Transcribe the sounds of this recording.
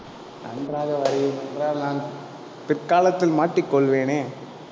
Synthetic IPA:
nɐ̰ndɾaːɣɐʋɐɾɐjɯmɛndɾaːɾnaːn | pɪrkaːlɐt̪ːɪlmaːʈrikːɔɭʋeːneː

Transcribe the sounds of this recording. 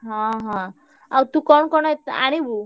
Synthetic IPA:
ɦãɦã | awt̪ukɔɳkɔnat̪aɽ̃ibu

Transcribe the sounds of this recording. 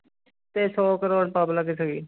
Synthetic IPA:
t̪eːsɔːkəɾoːɖpaːblaɡesəɡiː

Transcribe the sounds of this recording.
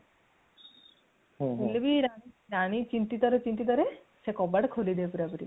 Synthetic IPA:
ulebiɾaiɾañit͡ʃint̪it̪ɔɾet͡ʃint̪it̪ɔɾe | sekɔbaɽkʰolid̪eepuɾapɔɾi

